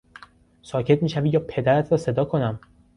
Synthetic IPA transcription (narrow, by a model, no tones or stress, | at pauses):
sɒːcʰe̞t̪̚miːʃæviːjɒːpʰe̞d̪æɾæt̪ʰɾɒːse̞d̪ɒːkʰo̞næm